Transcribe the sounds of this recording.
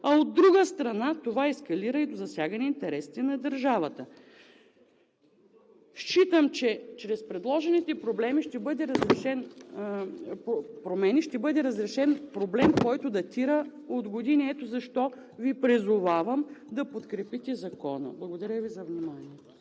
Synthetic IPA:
ɐod̪ːɾuɡəst̪ɾɐnat̪ovaɛskɐliɾəid̪ozɐsʲjaɡɐniːnt̪ɛɾɛsi̥t̪ɛnɐd̪ɐɾʒavət̪ə | ʃt͡ʃit̪əmt͡ʃɛt͡ʃɾɛspɾɛd̪lˠɔʒɛnit̪ɛpɾoblɛmiʃt̪ɛbɤd̪ɛɾɐzɾɛʃɛn | pɾomɛniʃt̪ɛbɤd̪ɛɾɐzɾɛʃɛnpɾoblɛmkɔjt̪od̪ɐt̪iɾə | od̪ɡod̪iniɛt̪ozɐʃt̪ɔ | vipɾizʊvavəmd̪ɐpot̪kɾɛpit̪ɛzɐkɔnə̰blˠɐɡod̪ɐɾʲəvizɐvnimaniɛt̪o̥

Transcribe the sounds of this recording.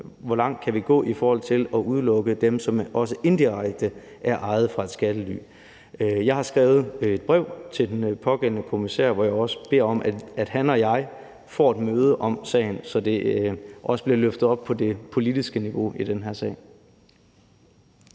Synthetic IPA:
ʋɒlɑ̈ŋ̰d̥̚kʰæʋiɡ̥ɔ̰̽ːʔifɒːhɒ̽l̰t͡sʰe̝lɒ̽ʔuð̞ˠlɔ̽ɡ̥əd̥emsɒ̽mɒ̽s̬əʔe̝nd̥iʁaɡ̥̚d̥ə | ʔæɐʔɑ̈ɪð̞̩ˠfʁɑ̈e̝d̥sɡ̥æd̥əly̰ː | jɑ̈ɪhɑ̈sɡ̥ʁɛːʊð̞̩ˠe̝d̥̚b̥ʁɛʊ̰t͡sʰe̝ld̥enpʰɒ̽ɡ̥en̰nəkʰo̝misɛ̰ɐ̰ʋɒjɑ̈ɪɒ̽sə̥b̥e̝ɐ̰ɒ̽mʔææd̥hænɒ̽jɑ̈ɪ | fɒ̰ːed̥møːð̞ˠəʔɒ̽msɛ̰ɪn̩sɒ̽d̥e̝ʔɒ̽səb̥liɐløfd̥ð̩ˠɒ̽b̥̚pʰɒ̽d̥e̝pʰo̝lid̥isɡ̥əniʋo̝id̥enɦæɐ̰sɛ̰ɪ

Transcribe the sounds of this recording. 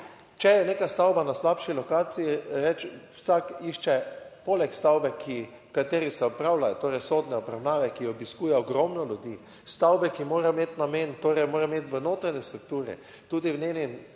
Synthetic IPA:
t͡ʃɛjɛneːkast̪awbanaslapʃilɔkaːsijiɾɛt͡ʃwsakiʃt͡ʃɛpolɛkst̪awbɛkʰi | kat̪eːɾisɛɔpɾawlajɔt̪oːɾɛjsod̪nɛɔpɾawnaːʋɛkiɔbiskuːjɛɔɡɾɔmnɔlʲud̪i | st̪awbɛkimoːɾɛmet̪nament̪oːɾɛjmoːɾɛmeːt̪ʋənoːt̪ɾanɛst̪ɾukt̪uːɾɛ̰ | t̪uːd̪iwneni

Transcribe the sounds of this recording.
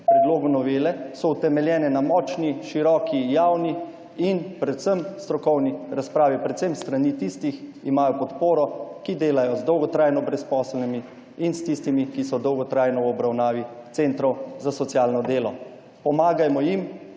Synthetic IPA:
pɾɛd̪loːɡunɔʋeːlɛsɔut̪ɛmɛljɛːnɛnamɔːt͡ʃniʃiɾɔːkʰijawni | inpɾɛt̪səmst̪ɾɔkɔwniɾaspɾaːʋipɾɛt̪semst̪ɾanit̪ist̪iximaːjɔpɔt̪poːɾɔkid̪eːlajɔzd̪ɔwɡɔt̪ɾaːjnɔbɾɛspɔslnimi | inst̪ist̪imikisɔd̪ɔwɡɔt̪ɾajnɔwɔbɾawnaːʋit̪sent̪ɾɔwzasɔt̪sjaːlnɔd̪eːlɔ | pɔmaːɡajmɔjim

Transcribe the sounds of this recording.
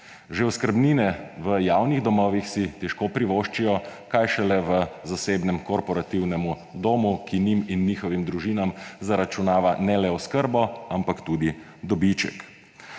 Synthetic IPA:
ʒewskəɾbniːnɛʋəjawniɣd̪ɔmɔːʋixsit̪ɛʃkoːpɾiʋoːʃt͡ʃijɔkajʃɛlɛʋəzaseːbnɛmkɔɾpɔɾat̪iwnɛmu | d̪oːmukiniminːiːxɔʋimd̪ɾuʒinamzaɾat͡ʃunaːʋanɛlɛɔskəɾbɔampakt̪uːd̪i | d̪ɔbit͡ʃɛ̰k

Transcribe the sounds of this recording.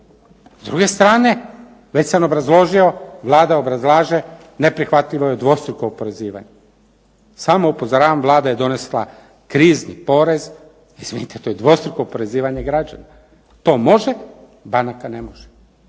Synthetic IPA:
zd̪ɾuɡe̞st̪ɾaːne̞ | ʋet͡ɕsano̞bɾazlˠo̞ʒio̞ʋlˠaːd̪ao̞bɾazlˠaːʒe | nepɾixʋat̪ʎiʋojed̪ʋo̞st̪ɾuko̞ːpo̞ɾe̞ziːʋa̰ɲe | saːmo̞upozoɾaːʋamʋlˠaːd̪aje̞d̪o̞ne̞slˠa | kɾiːznipo̞ɾe̞z | izvʋinit̪et̪ojed̪ʋo̞st̪ɾuko̞ːpo̞ɾe̞ziːʋaɲeɡɾad͡ʑa̰na | t̪o̞ːmo̞ʒe | banakanemoʒ̥e

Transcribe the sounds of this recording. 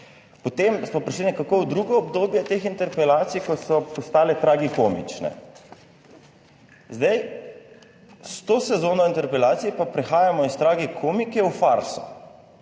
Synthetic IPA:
pɔt̪emsmɔpɾɛʃlinɛkakowd̪ɾuːɡɔɔbd̪oːbjɛt̪eːxint̪ɛɾpɛlaːt̪sijkɔsɔpɔst̪aːlɛt̪ɾaːɡikoːmḭt͡ʃnɛ̰ | zd̪ɛj | st̪oːsɛzoːnɔint̪ɛɾpɛlaːt̪sijpapɾɛxaːjamɔist̪ɾaːɡɛkʰoːmikɛwfaɾsɔ̥̰

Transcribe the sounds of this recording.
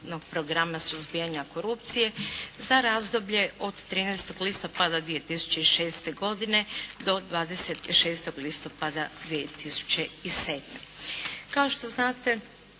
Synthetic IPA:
noɡ̚pɾoɡɾamasuzbijaɲako̞ɾupt̪sije̞zaɾazd̪o̞bʎe̞o̞d̪t̪ːɾiːnejst̪o̞ɡlist̪o̞pad̪ad̪ʋijet̪isu̥t͡ɕe̞iʃe̞ːst̪e̞ɡo̞d̪ine̞d̪o̞d̪ʋaːd̪eset̪iʃe̞ːst̪o̞ɡlist̪o̞pad̪ad̪ʋiet̪isu̥t͡ɕe̞ise̞ːd̪mḛkao̞ʃt̪oznaːt̪e̞

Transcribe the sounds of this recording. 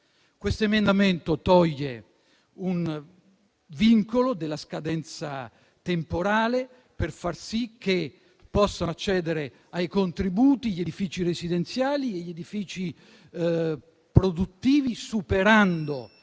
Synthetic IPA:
kwest̪oemend̪ament̪ot̪ɔʎːe | un | viŋkolod̪elːaskad̪ɛnt̪sa | t̪empoɾaːle | perfarsikʰːe | pːɔsːat͡ʃːɛːd̪eɾe | ajkont̪ɾibuːt̪iʎed̪ifiːt͡ʃiɾezid̪ent̪sjaːlieʎːed̪ifiːt͡ʃi | pɾod̪ut̪ːiːvisupeɾand̪o

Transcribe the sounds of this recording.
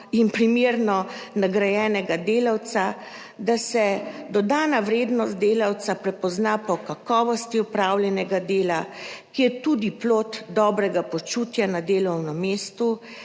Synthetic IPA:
inpɾimeːɾnɔnaɡɾajɛːnɛɡad̪eːlawt̪sa | d̪asɛd̪ɔd̪aːnaʋɾeːd̪nɔst̪̚d̪eːlawt̪sapɾɛpɔznapɔkakɔːʋɔst̪iɔpɾawljɛnɛɡad̪eːlakijɛt̪ud̪iploːt̪d̪ɔːbɾɛɡapɔt͡ʃuːt̪janad̪eːlɔwnɔmeːst̪u

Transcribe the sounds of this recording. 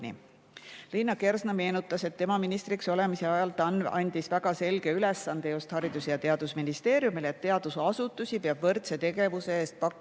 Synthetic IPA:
nʲḭ | linːɑke̞rsnɑme̞ːnut̪ːˑɑse̞t̪ːe̞mɑminist̪ɾikso̞le̞mise̞ɑjɑlt̪ˑɑnɑ̰nʲd̪̥isvæɡ̥ɑse̞lɡ̥e̞ylesːɑnd̪e̞just̪hɑɾid̪̥usejɑt̪e̞ɑd̪̥usminist̪e̞ːɾjumilet̪ːe̞ɑd̪̥usɑsut̪ːˑusʲipeɑb̥vɤrt̪se̞t̪e̞ɡe̞vuseeːst̪̚pɑkː

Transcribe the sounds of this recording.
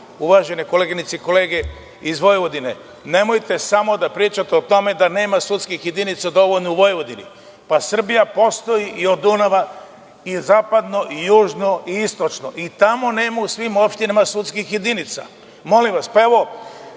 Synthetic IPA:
uʋaʒe̞neko̞leɡinit̪seiko̞leːɡe̞ | izʋo̞jʋod̪ine̞ | ne̞mo̞jt̪e̞samo̞d̪apɾiːt͡ʃat̪eot̪o̞me̞d̪ane̞ːmasut̪skixje̞d̪init̪sad̪o̞ʋoʎnouʋojeʋo̞d̪inḭ | pasr̩bijapo̞st̪o̞jiʔio̞d̪unaʋa | izaːpad̪no̞ʔijuːʒno̞iist̪o̞t͡ʃno̞ʔit̪amo̞ne̞ːmausʋimopʃt̪inamasut̪skixjed̪init̪sa̰ | mo̞limʋaspae̞ʋo̞

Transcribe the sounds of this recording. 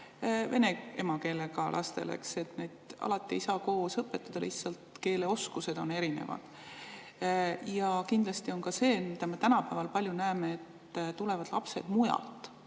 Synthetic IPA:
ve̞ne̞e̞mɑke̞ːlekɑlʔɑ̰st̪e̞̰lḛkse̞t̪ne̞d̪̥ɑ̰lɑt̪ˑːiisɑko̞ːsɤpːˑe̞t̪ːˑɑd̪̥ɑlḭhtsɑlt̪ke̞ːle̞o̞skuse̞d̪̥o̞ne̞ɾine̞̰vɑ̰d̪̥ | jɑkind̪lɑst̪io̞nkɑse̞ːmid̪ɑme̞t̪ænɑpæːvɑlpɑlʲjunæeːmeet̪ː | t̪ule̞vɑd̪̥lɑpse̞̰d̪̥mujɑ̰lt̪ˑ

